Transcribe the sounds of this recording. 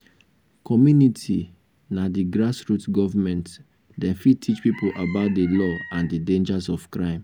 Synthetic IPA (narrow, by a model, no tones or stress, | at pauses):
kʰɔmjunitʰi | nadiɡɹasɹutɡɔvamɛ̃nt | dɛ̃nfitʰit͡ʃpipoʔabaʊt̚delɔãndidẽnd͡ʒazɔv̥kɹãɪ̃m